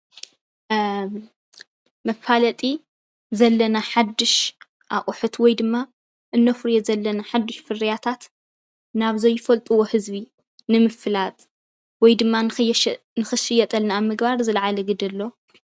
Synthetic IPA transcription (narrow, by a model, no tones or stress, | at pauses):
mɐfalɐt̪ʼi | zɐlːɐnaħad̪ːɨʃ | ʔaχʼʊħut̪wɔjd̪ɨmːa | ʔɨnːɐfɨɾjezɐlːɐnaħad̪ːɨʃfɨrijat̪ʰat̪ | naβzɐjːɪfɐlt̪ʼuwo̞hɨzbi | nɨmɨfɨlat̪ʼ | wɔjd̪ɨmːa | nɨxɨʃɪjɛt̪ʼɐlnamːɨɡbaɾzɨlʕalɐɡɨd̪ɐlːo̞